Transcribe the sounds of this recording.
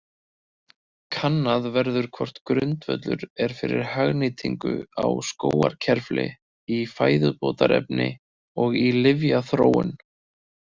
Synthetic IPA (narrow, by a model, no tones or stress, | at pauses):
kʰanːaðvɛɾðʏɾ̥kʰɔr̥t̪kɾʏnt̪vœt̪lʏɾɛɾ̥fɪɾɪɾ̥haɣnɪt̪ʰiŋkʏawskoːwaɾ̥cʰɛɾflɪ | ifaːjðʏpoːt̪aɾɛpnɪ | ɔɣilɪvjaθɾoːwʏn